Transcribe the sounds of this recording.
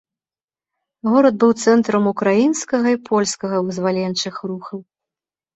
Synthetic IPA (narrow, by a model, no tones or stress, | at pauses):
ɣɔɾɐd̪̚bɨwt̪sɛnt̪ɾɐmukɾajinskɐɣɐipʰɔlʲskɐɣɐvɨzvalʲɛnt͡ʂɨxruxɐw